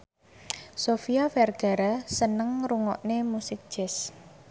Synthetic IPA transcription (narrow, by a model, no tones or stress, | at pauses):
sofiafɛrɡ̥a̤ɾasənəŋɾuŋɔ̰ʔnemusɪk̚d̥ʒ̥ɛs